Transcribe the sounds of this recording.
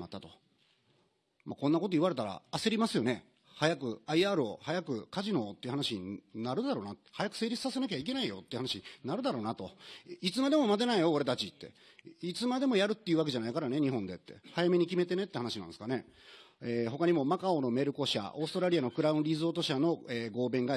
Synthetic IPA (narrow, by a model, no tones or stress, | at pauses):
ma̰t̪ːat̪o̞̥ | makonːako̞t̪o̞iβaɾe̞t̪aɾa̰ːse̞ɾʲimasɨjo̞ne̞ | hajakɯ̟aiaːɾɯo̞̰hajakɯ̟kaʑino̞t̪ːe̞iɯ̟hanaɕiɲnaɾɯ̟d̪aɾo̞ːnat̪hajakɯ̟̥se̞ːɾʲisɨ̥sase̞nak̬ʲeaik̬e̞naijo̞̰t̪ːeihanaɕiɲnaɾɯ̟d̪aɾo̞ːnat̪o̞it͡sɨmad̪e̞mo̞mad̪e̞naijo̞oɾe̞t̪at͡ɕit̪ːe̞̰ | it͡sɨmad̪e̞mo̞jaɾɯ̟t̪ːe̞iɯ̟βak̬e̞ʑanaikaɾaneɲ̟iɦõ̞nd̪e̞t̪ːe̞̰hajame̞ɲ̟ikʲime̞t̪e̞ne̞t̪ːe̞hanaɕinã̰nsɨ̥kane̞eɦo̞kaɲ̟imo̞makaono̞me̞ɾɯ̟ko̞ɕa̰o̞ːsɨ̥t̪o̞ɾaɾʲianokɯ̟ɾaɯ̟̃nɾʲizɨo̞ːt̪o̞ɕano̞eːɡo̞ːbẽ̞ŋɡa